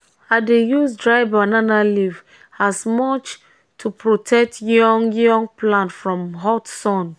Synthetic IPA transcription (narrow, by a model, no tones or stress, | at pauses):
adejusdɹaɪvananaliv | asmɔt͡ʃ | tʰupʰɹotʰɛk̚tʰjɔ̃ŋjɔ̃ŋplãntfɹɔ̃mɦɔtsɔ̃n